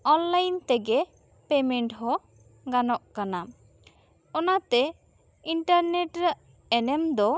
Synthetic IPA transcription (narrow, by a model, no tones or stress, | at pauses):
ɔnlajnt̪ɛɡɛ | pɛmɛɳʈɦɔ | ɡanɔʔkana | ɔnat̪ɛ | iɳʈaɾnɛʈɾəʔ | ɛnɛmd̪ɔ